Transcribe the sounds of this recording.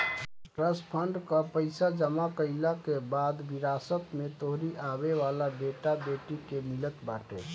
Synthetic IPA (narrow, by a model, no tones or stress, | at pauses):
ʈɾəspʰəɳɖkəpəɪsad͡ʒəmakəɪlakebad̪biɾasət̪met̪oɦɾiʔaβeʋalabeʈabeʈikemilət̪baʈe